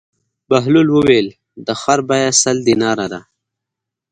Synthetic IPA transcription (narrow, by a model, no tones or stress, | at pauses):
baɦlulwəwel | d̪əxaɾbajasald̪inɑːɾad̪a